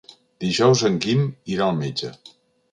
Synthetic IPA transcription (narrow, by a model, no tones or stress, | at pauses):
d̪̥iʒɔwzəŋɡimiɾalˠmed͡ʒə